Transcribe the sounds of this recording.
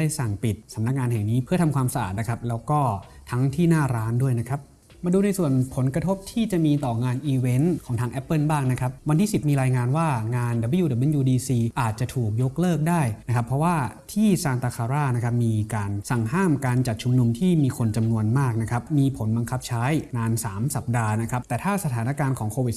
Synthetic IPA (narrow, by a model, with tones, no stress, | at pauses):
aː˥˩jsa˨˩ŋpi˨˩t̪̚sa˩˦mna˦˥k̚ŋaː˧nɦɛ˨˩ŋniː˦˥pʰɯ˥˩t̪ʰa˧mkʰwaː˧msa˧ʔa̰ː˨˩t̪̚na˦˥kʰɾa˦˥p̚lɛː˦˥wkɔː˥˩ | t̪ʰa˦˥ŋt̪ʰiː˥˩naː˥˩ɾaː˦˥ndu˥˩əjna˦˥kʰɾa˦˥p̚ | maː˧duː˧na˧jsu˨˩ənpʰo˩˦nkɾa˧t̪ʰo˦˥p̚t̪ʰiː˥˩t͡ɕa˨˩miː˧t̪ɔː˨˩ŋaː˧nʔiː˧we˦˥nkʰɔː˩˦ŋt̪ʰaː˧ŋʔɛ˦˥pːɤ˥˩nbaː˥˩ŋna˦˥kʰɾa˦˥p̚wa˧nt̪ʰiː˥˩si˨˩p̚miː˧ɾaː˧jŋaː˧nwaː˥˩ŋaː˧nda˨˩bə˧˦juː˧da˨˩bɯ˧˥˨njuː˧diː˧siː˧ʔaː˨˩t̪̚t͡ɕa˨˩t̪ʰuː˨˩k̚jo˦˥k̚lɤː˥˩k̚daː˥˩jna˦˥kʰa˦˥pʰːɾɔ˦˥waː˥˩t̪ʰiː˥˩saː˧nt̪aː˧kʰaː˧ɾaː˥˩na˦˥kʰa˦˥p̚miː˧kaː˧nsa˨˩ŋɦaː˥˩mkaː˧nt͡ɕa˨˩t̪̚t͡ɕʰu˧mnu˧mt̪ʰiː˥˩miː˧kʰo˧nt͡ɕa˧mnu˧ənmaː˥˩k̚na˦˥kʰɾa˦˥pmiː˧pʰo˩˦nba˧ŋkʰa˦˥p̚t͡ɕʰaː˦˥jnaː˧nsaː˩˦msa˨˩p̚daː˧na˦˥kʰɾa˦˥p̚t̪ɛː˨˩t̪ʰaː˥˩sa˧t̪ʰaː˩˦na˦˥kaː˧nkʰɔː˩˦ŋkʰoː˧wi˨˩t̪̚